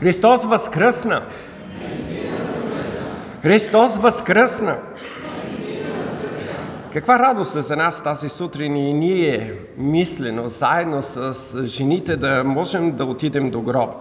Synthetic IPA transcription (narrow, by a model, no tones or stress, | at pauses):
xɾist̪ɔsvɐskɾəsnə | xɾist̪ɔsvɐskɾəsnə | kɐkvaɾad̪ost̪ɛzɐnast̪azisut̪ɾininiɛɛ | mislɛnozaɛd̪nosəsʒɛnit̪ɛd̪ɐmɔʒɛmd̪ɐot̪id̪ɛmd̪oɡɾɔ